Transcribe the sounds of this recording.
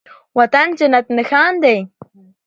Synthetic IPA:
wat̪ant͡ʃanat̪̚nəxaːnd̪ej

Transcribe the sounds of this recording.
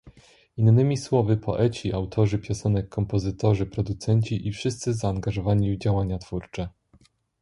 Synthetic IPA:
inːɘmʲiswɔvɘpʰɔ̰ʔɛt͡ɕiʔawt̪ʰɔʐɘpʲjɔsɛnɛkʰːɔmpɔzɘt̪ɔʐɘpɾɔd̪ut̪sɛɲt͡ɕiʔifʂɘst̪sɘzaːŋɡaʐɔvaɲivd͡ʑawaɲat̪fuɾt͡ʂɛ

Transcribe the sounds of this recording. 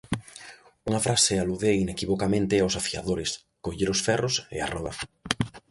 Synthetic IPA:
uŋafɾʔasɪaluðeinekiβokamẽnt̪ɪawsafia̰ðoɾɪs | koʎeɾʊsfɛrʊsḛa̰rɔðɐ̰

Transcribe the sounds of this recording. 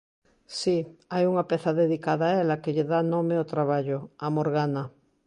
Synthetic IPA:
siajuŋapeθaðeðikaðaːelakeʎeðanomeot̪ɾaβ̞aʎoamoɾɣana

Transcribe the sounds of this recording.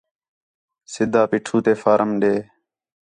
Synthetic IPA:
sɪd̪ʱaːpiːʈʰuːt̪eːfaːɾəmɗeː

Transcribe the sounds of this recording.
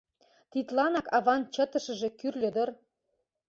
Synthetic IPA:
t̪it̪lɑnɑkɑβɑnt͡ɕə̆t̪ə̆ʃə̆ʒĕkyrlʲə̆d̪ɤ̆r

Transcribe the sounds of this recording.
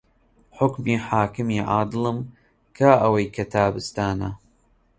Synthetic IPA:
ħʊkmiːħaːkɨmiːʕaːd̪ɨlɨm | kʰaːʔɐwɐjkʰɐt̪ʰaːbɨst̪aːna

